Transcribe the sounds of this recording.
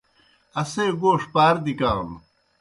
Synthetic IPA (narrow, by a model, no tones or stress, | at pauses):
ɐseːɡoːʂpaːɾd̪ikaːl